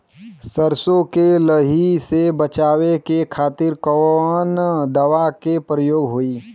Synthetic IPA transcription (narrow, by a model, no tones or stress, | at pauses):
səɾsõkeləɦisebət͡ʃaːwekekʰaːt̪ɪɾkɔnd̪ɐʋakepɾəjoːɡɦoiː